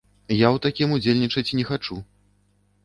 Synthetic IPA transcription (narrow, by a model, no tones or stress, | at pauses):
jawt̪akʲimud͡zʲelʲnʲit͡ʂɐt͡sʲnʲɛxat͡ʂu